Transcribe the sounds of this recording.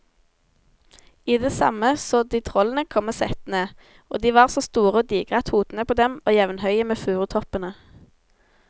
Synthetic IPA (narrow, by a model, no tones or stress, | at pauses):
iːd̪eːsɑ̰məsoːd̪iːt̪ʰʁɔln̩əkʰɔmːəsɛt̪neː | ʔo̰ːd̪iːʋɑːʁsoːst̪uːʁəoːd̪iːɡʁɑt̪huːd̪n̩əpʰoːd̪ɛmoːjɛʋən̩hœʏəmeːfʉːʁət̪ʰɔpənə